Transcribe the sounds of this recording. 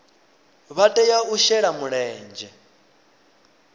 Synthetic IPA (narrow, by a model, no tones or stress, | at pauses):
βatʼɛjauʃɛɺamuɺɛːnd͡ʒɛ